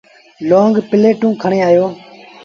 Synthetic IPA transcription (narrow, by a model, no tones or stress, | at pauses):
loːŋɡpɪleːʈũːkʰəɳ̃eːaːjoː